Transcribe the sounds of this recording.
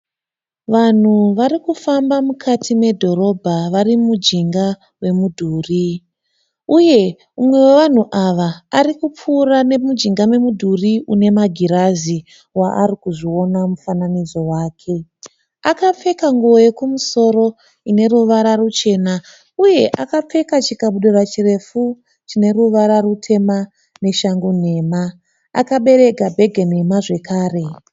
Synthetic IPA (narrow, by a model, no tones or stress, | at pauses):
ʋan̤uʋaɾikufambamukʰatʰime̞dʱo̞ɾo̞bʱaʋarimud͡ʒiŋɡa | we̞mudʱuːri | uje̞ | umwe̞weʋan̤uʔaʋaːrikup͡fuːrane̞mud͡ʒiŋɡamwe̞mudʱuriune̞maɡʱiɾazi | waʔarikuʐio̞namufananizo̞waːkʰe̞ | akap͡fe̞kaŋɡuojekumuso̞ɾo̞ | ine̞ɾuʋaɾarut͡ʃe̞ːna | uje̞ʔakap͡fe̞kat͡ʃikaɓuɗorat͡ʃire̞fu | t͡ʃine̞ruʋaɾarutʰe̞ma | ne̞ʃaŋɡun̤e̞ːma | a̰kaɓe̞ɾe̞ɡʱabʱe̞ɡʱen̤e̞maʐe̞kaːre̞